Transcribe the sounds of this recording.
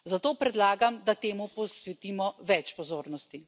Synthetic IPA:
zat̪oːpɾɛd̪laːɡamd̪at̪eːmupɔsʋɛt̪iːmɔʋɛt͡ʃpɔzoːɾnɔst̪i

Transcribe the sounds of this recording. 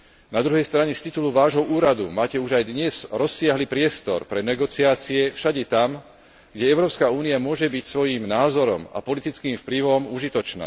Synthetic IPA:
nad̪ɾuɦɛjst̪ɾaɲɛst̪it̪uluʋaːʒɦɔʔuːɾad̪umaːcɛuʒajd̪ɲɛz̥ɾɔsːɪaɦlipɾɪɛst̪ɔ̰ɾpɾɛnɛɡɔt͡siaːt͡siɛfʃaɟɛt̪am | ɡɟɛɛʊɾɔːpskauːniamʊɔʒɛbicsʋɔjiːmnaːzɔɾɔma̰pɔlit̪it͡skiːmfpliʋɔmuʒit̪ɔt͡ʃna̰ː

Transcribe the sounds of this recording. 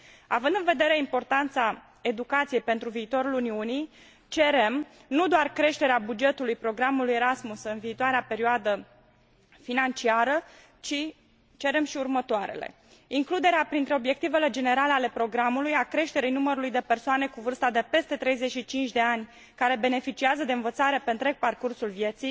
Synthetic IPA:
avɨnd̪ɨnve̞d̪e̞ɾe̞impo̞rt̪ant̪sa | e̞d̪ukat̪sije̞jpe̞nt̪ɾuviːt̪o̞ɾuluniunij | t͡ʃe̞ɾe̞m | nud̪oarkɾe̞ʃt̪e̞ɾeabud͡ʒe̞t̪ulujpɾo̞ɡɾamulujeɾasmusɨnviːt̪oaɾeape̞ɾioad̪ə | finant͡ʃiaɾə | t͡ʃi | t͡ʃe̞ɾe̞mʃiurmət̪oaɾe̞̰le̞̰ | iŋklud̪e̞ɾeapɾint̪ɾe̞o̞bje̞k̚t̪ive̞le̞d͡ʒe̞ne̞ɾaleale̞pɾo̞ɡɾamulujakɾe̞ʃt̪e̞ɾijnuməɾulujd̪e̞pe̞rsoane̞kuvɨrst̪ad̪e̞pe̞st̪e̞t̪ɾe̞jze̞t͡ʃʃit͡ʃint͡ʃd̪e̞anʲ | kaɾe̞be̞ne̞fit͡ʃiazəd̪e̞ɨnvət̪saɾe̞pe̞ɨnt̪ɾe̞ɡ̚parkursulvje̞t̪sij

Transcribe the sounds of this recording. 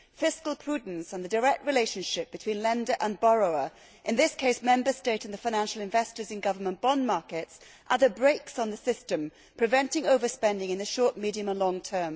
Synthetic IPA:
fɪskəlˠpʰɹ̥ʉdⁿn̩sə̃n̩ðɨdə˞ɛk̚t̚ɹɨleɪʃɨ̃nʃɪp̚b̥ɨtʰw̥ĩnlɛ̃ndə˞ʔə̃nbɑɹoʊə˞ | ʔɨ̃nðɪskʰeɪsmɛ̃mbə˞steɪɾɨ̃n̩ðɨfaɪñæ̃nʃl̩ˠɨ̃ɱvɛstə˞zɨ̃nɡʌvə˞mə̃nb̥ɑ̃nmɑɹkɪts | ʔəðəbɹeɪksn̩ðɨsɪstɨ̃m | pʰɹ̥ɨvɛ̃ntɪ̃ŋoʊvə˞spɛ̃ndɪ̃ŋɨ̃nðɨʃɔˑɹt̚miɾiɨ̃mə̃nlɔ̃ŋtʰɜ̃˞m

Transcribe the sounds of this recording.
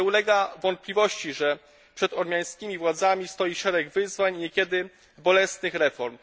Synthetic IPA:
ɛulɛɡavɔnt̪̚plʲivɔɕt͡ɕiʐɛ | pʂɛd̪ɔɾmʲjaj̃skʲimʲivwad̪zamʲist̪ɔjiʂɛɾɛɡvɘzvaɲɲɛkʲɛd̪ɘ | bɔlɛsnɘxɾɛfɔɾm

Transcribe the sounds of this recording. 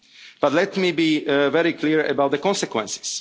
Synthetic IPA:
b̥at̪lɛtmibivɛɹikʰliɹə̰bawt̪̚ðəkɔ̃nsɛkwɛ̃nsɪ̥z̥

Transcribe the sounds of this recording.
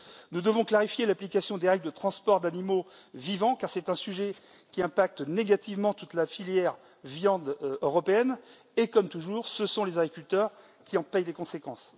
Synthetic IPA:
nud̪əvɔ̃klaʁifjelaplikasjɔ̃d̪eʁɛɡd̪ət̪χɑ̃spɔʁd̪animovivɑ̃kaʁsɛt̪ɛ̃syʒɛ | kʲiɛ̃pak̚t̪neɡat̪ivmɑ̃t̪ut̪lafiljɛʁ | vjɑ̃d̪øʁɔpeɛn | ekɔmt̪uʒuːʁsəsɔ̃lezaɡʁikʲylt̪œʁ | kʲiɑ̃pɛjlekɔ̃sekɑ̃s

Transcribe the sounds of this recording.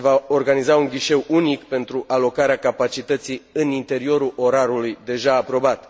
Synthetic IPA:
vao̞rɡanizauŋɡʲiʃe̞wunikpe̞nt̪ɾuʔalo̞kaɾeakapat͡ʃit̪ət̪siɨnint̪e̞ɾio̞ɾulʔo̞ɾaɾulujd̪e̞ʒaːpɾo̞bat̪

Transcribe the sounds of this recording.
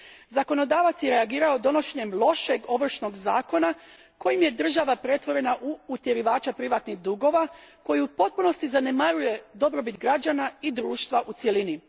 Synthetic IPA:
zakono̞d̪aːʋat̪sjeɾe̞aɡiːɾao̞d̪o̞no̞ʃe̞ɲe̞mlˠo̞ʃeɡo̞ʋr̩ʃno̞ɡzaːko̞na | ko̞jimje̞d̪r̩ʒaʋapɾe̞t̪ʋo̞ɾe̞naʔuːt̪je̞ɾiʋaːt͡ʃapɾiʋat̪niɣd̪uɡo̞ʋako̞jiupo̞t̪̚puno̞st̪izanemaɾuje̞d̪o̞bɾo̞bit̪ɡɾad͡ʒanaid̪ɾuːʃt̪ʋaʔut̪sje̞lini

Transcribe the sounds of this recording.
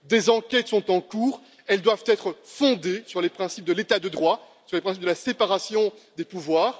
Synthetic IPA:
d̪ezɑ̃kʲɛt̪sɔ̃t̪ɑ̃kuːʁ | ɛld̪wavt̪ɛt̪χəfɔ̃d̪esyʁlepχɛ̃sip̚d̪əlet̪ad̪əd̪ʁwa | syʁlepχɛ̃s̬ip̚d̪əlasepaʁasjɔ̃d̪epuvwaːʁ

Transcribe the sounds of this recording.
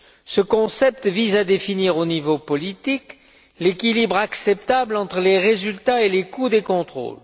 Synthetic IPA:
səkɔ̃sɛp̚t̪vizad̪efiniʁonivopɔlit̪ik | lekʲilibʁaksɛp̚t̪ablɑ̃t̪χəleʁezylt̪aelekud̪ekɔ̃t̪χo̰l

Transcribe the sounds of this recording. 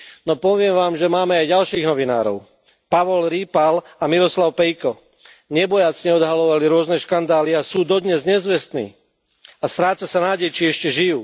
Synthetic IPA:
nɔpɔʋɪɛmʋaːmʒɛmaːmɛajɟalʃiːɣnɔʋina̰ːɾɔ̰ʊ | paʋɔlɾiːpal | amiɾɔslaʊpɛjkɔ | ɲɛbɔjat͡sɲɛɔd̪ɦalɔʋaliɾʊɔznɛʃkand̪aːliasuːd̪ɔd̪ɲɛzɲɛzʋɛst̪nḭː | ast̪ɾaːt͡sasanaːɟɛjt͡ʃiɛʃcɛʒijuː

